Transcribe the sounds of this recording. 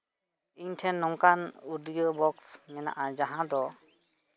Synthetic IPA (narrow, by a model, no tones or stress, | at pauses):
iɲtʰɛnːɔŋkanudijɔbɔksmɛna̰ʔad͡ʒaɦãd̪ɔ